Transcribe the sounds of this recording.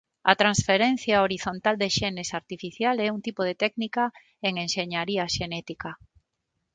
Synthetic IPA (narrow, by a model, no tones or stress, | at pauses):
ɐ̰t̪ɾãnsfeɾɛ̃n̟θjaoɾiθont̪ald̪eʃɛnesaɾt̪ifiθjalɛuŋt̪ipoð̞et̪ɛknika | eŋenʃeɲaɾiaʃenɛt̪ika